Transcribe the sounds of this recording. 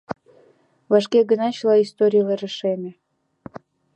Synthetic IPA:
vɑʃkeɡənɑt͡ɕlɑist̪oɾʲijəleɾəʃemʲĕ

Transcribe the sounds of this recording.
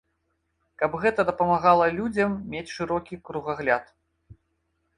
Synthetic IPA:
kɐbɣɛt̪ɐd̪ɐpɐmaɣalˠɐlʲud͡zʲɐmːʲet͡sʲʂɨɾɔkʲikɾuɣaɣlʲat̪

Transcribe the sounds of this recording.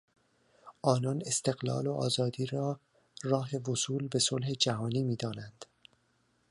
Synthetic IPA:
ʔɒːnɒːne̞st̪e̞ɣlɒ̰ːloʔɒːzɒːd̪iːɾɒː | rɒːɦe̞vosuːlbe̞so̞lɦe̞d͡ʒæɦɒːniːmiːd̪ɒːnænd̪̥

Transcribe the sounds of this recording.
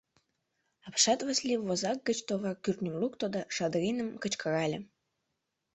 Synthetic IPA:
ɑpʃɑt̪vɑslʲivozɑk̚ɡət͡ɕt̪ovɑrkyrt̪nʲəmlukt̪od̪ɑʃɑd̪ɾʲinəmkət͡ɕkəɾɑlʲe

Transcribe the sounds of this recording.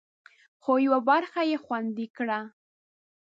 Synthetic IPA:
xojwabaɾxajexwand̪ɪkɽa

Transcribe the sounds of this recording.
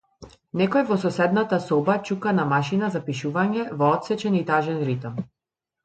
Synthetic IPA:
nɛkɔjɛvɔsɔsɛd̪nat̪asɔbat͡ʃukanamaʃinazapiʃuvaɲɛvɔɔt̪sɛt͡ʃɛnit̪aʒɛnɾit̪am

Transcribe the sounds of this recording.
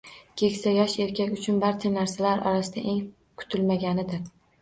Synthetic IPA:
kʲʰe̞kʲsajɒʃe̞ɾkʲʰakʲʊt͡ʃʰʊnbaɾt͡ʃʰanaɾsalaɾʔɒ̰ɾasɪd̪aʔe̞ŋ | kʰʊ̥t̪ʰɪlmaɡʲanɪd̪ɪɾ

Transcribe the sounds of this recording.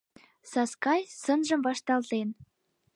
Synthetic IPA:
sɑskɑjsə̆nʒə̆mvɑʃt̪ɑlt̪en

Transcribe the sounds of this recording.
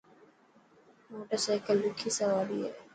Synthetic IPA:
moːʈəɾsaɪkəlːʊkʰːiːsɐʋaːɾiḛ

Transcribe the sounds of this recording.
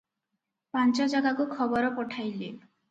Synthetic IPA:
pant͡ʃɔd͡ʒaɡakukʰɔbɔɾɔpɔʈʰajli

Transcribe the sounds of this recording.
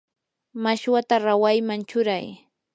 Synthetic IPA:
maʃwat̪aɾawajmant͡ʃʊɾaj

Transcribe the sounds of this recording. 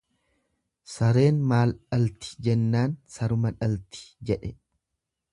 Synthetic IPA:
sɐɾe̞ːnmaːlᶑɐlt̪ɪ̥d͡ʒɛnːaːnsɐɾʊmɐᶑɐlt̪ɪ̥d͡ʒɛᶑɛ

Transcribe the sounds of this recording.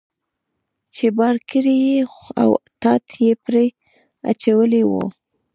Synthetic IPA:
t͡ʃebɑɾkəɾijea̰wt̪ɑt̪jepɾe | a̰t͡ʃawəlewo̰

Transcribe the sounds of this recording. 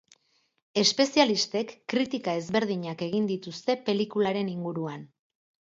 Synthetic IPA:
e̞spe̞sialist̪e̞kːɾit̪ikae̞zβe̞ɾð̞iɲake̞ɣ̞ind̪it̪ust̪e̞pe̞likulaɾe̞niŋɡuɾuan

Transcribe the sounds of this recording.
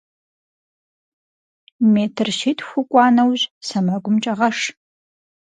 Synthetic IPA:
meːtʰɨrʃitʰʼxʷʊkʷʼɑːnɐwʑsɐmɐɡʷʊmt͡ʃʼɐʁɐʂ

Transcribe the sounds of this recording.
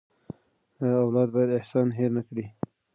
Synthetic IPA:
awlɑd̪̚bɑjad̪ɪhsɑnɦeɾnakɽi

